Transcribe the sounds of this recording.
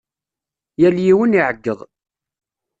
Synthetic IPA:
jæljiwəniʕəɡːəðˤ

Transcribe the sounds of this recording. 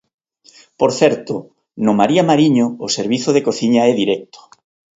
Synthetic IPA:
poɾθɛɾt̪ʊ | nʊmaɾiamaɾiɲoːseɾβiθʊðekoθiɲaɛðiɾɛk̚t̪o̥

